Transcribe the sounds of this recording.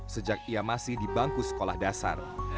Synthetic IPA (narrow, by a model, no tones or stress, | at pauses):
səd͡ʒak̚iamasɪhdibaŋkusə̥kolahdasa̰r